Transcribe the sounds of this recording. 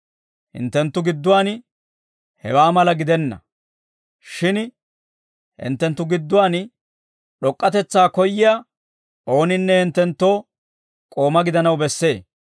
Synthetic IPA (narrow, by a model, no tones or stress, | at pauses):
hɪ̰nt̪ːɛnt̪ːʊɡɪd̪ːʊwaːn | hɛ̰waːmɐlɐɡɪd̪ɛnːɐ̰ | ʃɪn | hɪ̰nt̪ːɛnt̪ːʊɡɪd̪ːʊwaːn | ɗɔkʼːɐt̪ɛt͡sːaːkɔjːɪja | o̞ːnɪnːɛhɪnt̪ːɛnt̪ːo̞ː | kʼo̞ːmɐɡɪd̪ɐnɐwbɛsːe̞ː